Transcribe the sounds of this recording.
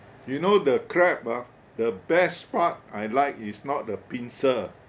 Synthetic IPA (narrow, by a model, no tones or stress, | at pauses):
junodəkʰɹɛp̚a | dəbɛspat̚ajlaɪkisnɔt̚dəpĩnsə